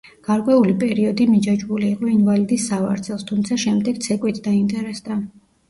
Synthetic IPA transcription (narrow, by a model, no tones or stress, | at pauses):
ɡ̥aɾkʼwɛulipʼɛɾiɔd̪imid͡ʒad͡ʒbuliːqʼɔinvalid̪isːava̰ɾt̪sʰɛlˠst̪ʰumt̪sʰaʃɛmd̪ɛɡ̥̚t̪sʰɛkʼwit̪ʰd̪aint̪ʼɛɾɛsd̪a